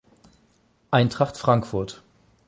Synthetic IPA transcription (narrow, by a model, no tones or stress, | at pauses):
ʔaɪntʁ̥aχtfʁ̥aŋkfʊɐt